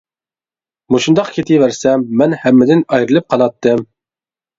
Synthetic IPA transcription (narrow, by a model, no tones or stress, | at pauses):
muʃund̪ɑqkʲʰet̪ʰijvæɾsɛmːɛnhɛmːɪd̪ɪnɑjɾɨlˠɨp̚qʰɑlˠɑt̪ːɨm